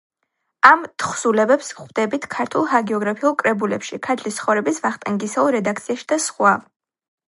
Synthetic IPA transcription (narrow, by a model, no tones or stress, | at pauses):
amt̪ʰχsulɛbɛpsχwd̪ɛbit̪ʰkʰaɾt̪ʰulˠhaɡɛɔɡɾapʰiulˠkʼɾɛbulɛ̰pʃikʰaɾt̪ʰlist̪sʰχɔvɾɛbisvaχt̪ʼɛŋɡisɛulˠɾɛd̪ak̚t̪sʰiaʃi̥d̪̥asχwav